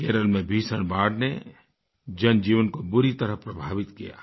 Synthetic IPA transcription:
keːɾəlmẽbʱiːsəɽ̃baːɽne | d͡ʒənd͡ʒiːʋənkobʊɾit̪əɾəɦpɾɐbʱaːʋɪt̪kija̰ː

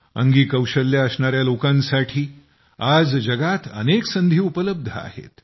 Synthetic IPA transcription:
ə̰ŋɡiːkəwɕəlːjaəsɳaɾjalokãnsaʈʰiː | ad͡zd͡ʒəɡat̪ə̰neksənd̪ʱiːupələb̚d̪ʱəa̰hḛt̪

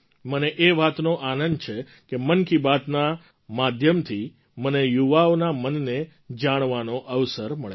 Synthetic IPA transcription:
məneʔeʋat̪noʔanənt͡ʃʰe | kemənkibat̪na | mad̪ʱjəmt̪ʰi | mənejuʋaonamənːe | d͡ʒaɽ̃ʋanoʔəʋsəɾməɭe

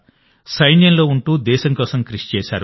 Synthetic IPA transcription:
sɐjnjɐnlo̞ːuɳʈuːd̪ɛːʃɐŋkɔːsɐmkɾiʂi̥t͡ʃɛːʃa̰ːɾ

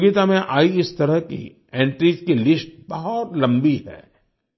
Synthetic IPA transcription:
ɡit̪amẽʔaːiɪst̪ɐɾəɦkḭ | ẽːɳʈɾiːd͡ʒkilɪsʈ̚bɐɦɔt̪lɐ̃mbiɦɛ̰ː

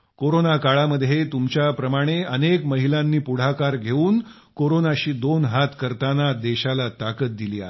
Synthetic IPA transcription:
koɾonakaɭaməd̪ʱjet̪umt͡ɕjapɾəmaɽ̃eənekməɦilãnːiːpuɽ̤akaɾɡʱeuːn | koɾonaɕiːd̪onɦat̪kəɾt̪anad̪eɕalat̪akət̪̚d̪iliːa̰

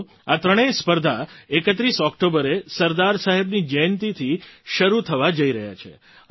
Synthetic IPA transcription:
at̪ɾəɽ̃espəɾd̪ʱaekət̪ɾisɔkʈobəɾesəɾd̪aɾsaɦebnid͡ʒəjnt̪it̪ʰiʃəɾut̪ʰəʋad͡ʒəiɾəɦja̰t͡ʃʰḛ

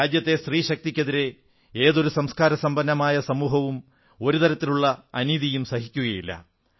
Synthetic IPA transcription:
aːd͡ʑjɐt̪ːe̞st̪riːɕɐk̚t̪ikʲːɐðiɾe̞ | eːðo̞ɾusɐmskaːɾɐsɐmbɐnːɐmaːjɐsɐmuːɦɐʋum | o̞ɾut̪ɐɾɐt̪ːiluɭːɐɐniːðijumsɐɦikʲːuɣɐjilːɐ̰

